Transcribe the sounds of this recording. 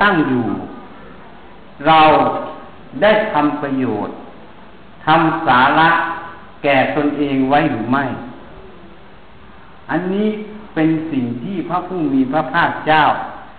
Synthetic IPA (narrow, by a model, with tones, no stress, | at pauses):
t̪a˥˩ŋjuː˨˩ | ɾa˧w | da˥˩jt̪ʰa˧mpɾa˧joː˨˩t̪̚ʰː | a˧msaː˩˦la˦˥ʔ | kɛː˨˩t̪o˧nʔeː˧ŋwa˦˥˨jɾɯː˨˩˦ma˥˩j | ʔa˧nːiː˦˥˨pe˧nsi˨˩ŋt̪ʰiː˥˩pʰɾa˧˥pʰuː˥˩miː˧pʰɾa˧˥pʰaː˥˩k̚t͡ɕaː˥˩w